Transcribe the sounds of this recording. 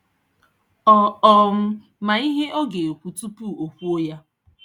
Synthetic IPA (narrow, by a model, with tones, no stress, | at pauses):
ɔ˦ɔ˦m̩˦ | ma˨i˦ɦe˦ʔo˦ɡe˨o˨kʷu˨tu˦pu˦˨o˨kʷu˦o˦ja˦